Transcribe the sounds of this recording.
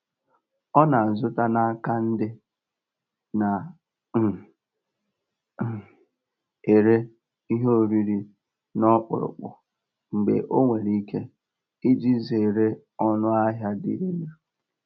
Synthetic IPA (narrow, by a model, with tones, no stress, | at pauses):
ɔ˦na˨n̩˨zʊ˦ta˦na˦a˦ka˦n̩˦dɪ˦ | na˨˦ | e˨ɾe˦ | i˦ɦo˦o˨ɾi˦ɾi˨ | nɔ˦k͡pʊ̰˨ɾʊ̰˨k͡pʊ̰˨ | ŋ͡m̩˨ɡ͡bḛ˨ʔo˦ŋʷe˨ɾi˦ke˦ | i˦d͡ʒi˦ze˨e˨ɾe˦ | ɔ˦nʊ˦a˦ɦja˦dḭ˨ɾi˦n˦ɾ